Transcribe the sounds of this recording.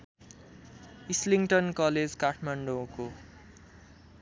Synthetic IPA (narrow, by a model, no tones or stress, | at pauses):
isliŋʈʌnkʌled͡zkaʈʰmaɳɖoko